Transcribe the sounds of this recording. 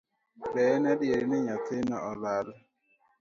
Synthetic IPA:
bɛnadjeɾinɪɲat̪ɪnɔɔlal

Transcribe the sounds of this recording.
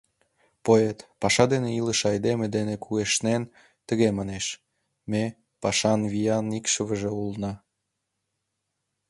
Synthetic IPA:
poet̪pɑʃɑd̪eneiləʃɑjd̪emed̪enekʰueʃnen | t̪ə̆ɣemɑneʃ | me | pɑʃɑnβijɑnikʃəβəʒeulnɑ

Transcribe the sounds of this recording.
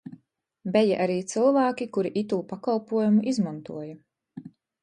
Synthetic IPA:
bɛja̰ʔaɾiːt̪sɨlvaːkʲikuɾiʔit̪uːpakalˠpuɔjumuʔizmãnt̪uɔjɐ

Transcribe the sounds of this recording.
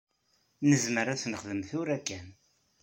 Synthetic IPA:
nəzməɾæθnəχðəmθʊɾækːæn

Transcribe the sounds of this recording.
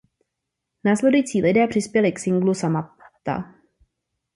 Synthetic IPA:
naːslɛdujit͡siːlɪdɛːpr̝̥ɪspjɛlɪksɪŋɡlusamat̪a̰

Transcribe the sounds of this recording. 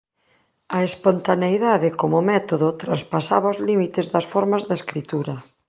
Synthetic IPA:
ɐespont̪anejðaðɪkomʊmɛt̪oðʊt̪ɾanspasa̰βaozlimit̪ezðɐsfoɾmazðeskɾit̪uɾɐ

